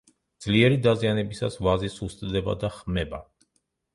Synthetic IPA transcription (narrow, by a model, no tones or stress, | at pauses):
d̪z̥liɛɾid̪azianɛbisasvazisust̪ʼd̪ɛba̰d̪aχmɛba